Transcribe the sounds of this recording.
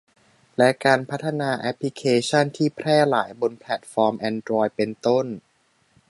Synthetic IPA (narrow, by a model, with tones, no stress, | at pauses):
lɛ˦˥kaː˧npʰa˦˥t̪ʰːa˧naː˧ʔɛ˦˥pʰːli˦˥kʰeː˧t͡ɕʰa˥˩nt̪ʰiː˥˩pʰɾɛː˥˩la̰ː˩˦jbo˧npʰlɛ˨˩t̪̚fɔː˧mʔɛː˧ndɾɔː˧jpe˧nt̪o˥˩n